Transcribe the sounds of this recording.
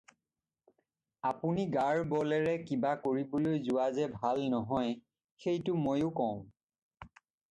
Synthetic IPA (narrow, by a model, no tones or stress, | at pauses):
apuniɡaɹbɔlɛɹɛkibakoɹibolojzʊwazɛbʱalnɔɦɔj | xejtʊmojʊkɔʊ̃